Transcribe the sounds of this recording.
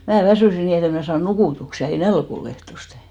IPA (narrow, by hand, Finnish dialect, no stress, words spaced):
mæː ʋæsyˑsi niː et em mnæ sɑːn nukuˑtuksi̥ jɑ ei nælk ol ehtoste